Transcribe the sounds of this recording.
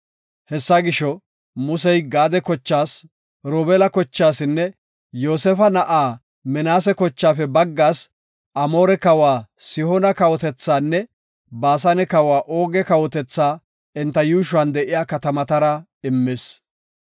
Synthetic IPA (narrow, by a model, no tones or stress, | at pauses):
hɛsːɐɡɪʃɔ | mʊsɛjɡaːd̪ɛkɔt͡ʃːaːs | ɾoːbɛːlɐkɔt͡ʃːaːsɪnːɛ | jo̞ːsɛfɐnɐʔaː | mɛnaːsɛkɔt͡ʃːaːfɛbɐɡːaːs | ʔɐmoːɾɛkɐwaːsɪhɔnɐkɐwɔt̪ɛt͡sːaːnːɛ | baːs̬ɐnɛkɐwaːʔo̞ːɡɛkɐwɔt̪ɛt͡sːaː | ɛnt̪ːɐjuːʃ̬ʊɐːnd̪ɛʔɪjaːkɐt̪ɐmɐt̪ɐɾɐ | ɪmːeːs